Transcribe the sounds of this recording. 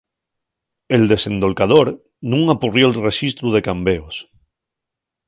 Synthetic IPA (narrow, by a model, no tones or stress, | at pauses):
e̞ld̪e̞sẽ̞nd̪o̞lkaðoɾ | nũŋapurjolreʃist̪ɾuð̞e̞kambeos